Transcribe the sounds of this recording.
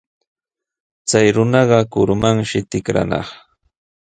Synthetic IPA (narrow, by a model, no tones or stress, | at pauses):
t͡sajɾʊnɑɢɑkʊɾmaŋʃɪt̪ɪkɾa̰nɑ̰χ